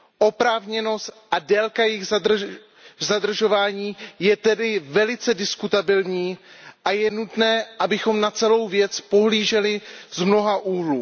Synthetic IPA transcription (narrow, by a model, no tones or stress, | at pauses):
ʔo̞pɾaːvɲɛno̞st̪ʔadɛlkajɪx | zadr̩ʒo̞vaːɲiːjɛt̪ɛdɪvɛlɪt͡sɛdɪskut̪abɪlɲiːʔajɛnut̪nɛːʔabɪxo̞mnat͡sɛlo̞wvjɛt͡spo̞ɦliːʒɛlɪzmno̞ɦaʔuːɦluː